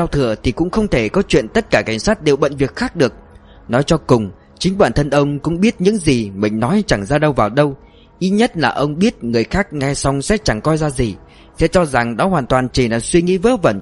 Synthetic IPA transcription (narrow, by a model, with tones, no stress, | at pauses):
aː˧wt̪ʰɨ˧˨ət̪ʰi˨˩kʊ̰˧˥ŋ͡mxə˧wŋ͡mt̪ʰe˧˩kɔ˨˦t͡ɕwḭ˧˨ənt̪ə˦˥t̚kaː˧˩ka˧˩jŋ̟saː˦˥t̚ɗe˨˩wɓə̰˧˨nvi˨˩ət̚xaː˦˥k̚ɗɨ˨˩ək̚ | nɔ˨˦jt͡ɕɔ˧kʊ˨˩ŋ͡m | t͡ɕï˨˦ŋ̟ɓaː˧˩nt̪ʰə˧nʔə˧wŋ͡mkʊ̰˧˥ŋ͡mɓi˦˥ət̚ɲɨ̰˧˥ŋzi˨˩mï˨˩ŋ̟nɔ˨˦jt͡ɕa˧˩ŋzaː˧ɗə˧wvaː˨˩wɗə˧w | ʔi˨˧˦ɲə˦˥t̚laː˨˩ʔə˧wŋ͡mɓi˦˥ət̚ŋɨ˨˩əjxaː˦˥k̚ŋɛ˧sa˧wŋ͡msɛ̰˧˥t͡ɕa˧˩ŋkɔ˧jzaː˧zi˨˩ | sɛ̰˧˥t͡ɕɔ˧za˨˩ŋɗɔ˨˦ɦwaː˨˩nt̪waː˨˩nt͡ɕi˨˩laː˨˩swi˧ŋḭ˧˥və̰ː˦˥və˧˩n